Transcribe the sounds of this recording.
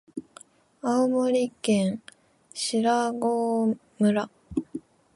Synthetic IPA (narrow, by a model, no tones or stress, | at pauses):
aomoɾʲikẽɰ̃ | ɕiɾaɡoː | mɯ̟ɾa